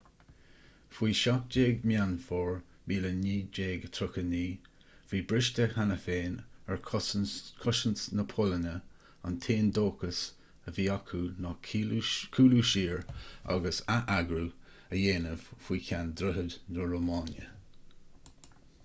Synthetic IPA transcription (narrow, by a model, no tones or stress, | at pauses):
fwiːʃap̚d͡ʒeːɡmjanfɔːɹ | biːləniːd͡ʒeːɡt̪ʰɾʊkəniː | fiːbɾɪʃtəhanəfeːnɛɹ | kʰʊʃənsnəpʰʊlənə | a̰ntʰeːndoːkəs | əviːakʰunɔ | kʰuːluʃiːɹa̰ɡəsaʔaɡɾu | əjeːnəvfwiːkʰand̪ɾʊɦədnəɹomɑːnjə̰